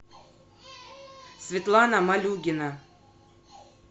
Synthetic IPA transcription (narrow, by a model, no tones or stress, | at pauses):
svʲɪt̪lˠanamalʲuɡʲɪnə